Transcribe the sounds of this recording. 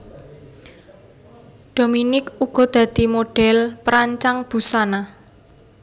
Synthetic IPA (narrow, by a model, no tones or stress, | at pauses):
ɖ̥o̤minɪkuɡ̥ɔ̤d̪̥ä̤d̪̥i̤moɖ̥ɛ̤lpəɾaɲt͡ʃaŋb̥ṳsana